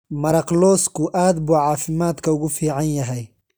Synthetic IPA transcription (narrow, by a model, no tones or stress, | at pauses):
mɐɾɐqlɔːskʰʊʔaːd̪buːʕɑːfɪmaːd̪kʰɐʊɣʊfiːʕɑnjɐɦɛj